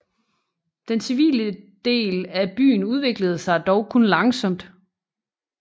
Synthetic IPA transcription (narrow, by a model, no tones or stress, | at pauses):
d̥ensiʋḭːləd̥e̝̰ːlæb̥y̰ːn̩uð̞ˠʋe̝ɡ̥ləð̞̩ˠsɑ̈ɪd̥ɒʊkʰonlɑ̈ŋsɒ̽m̰d̥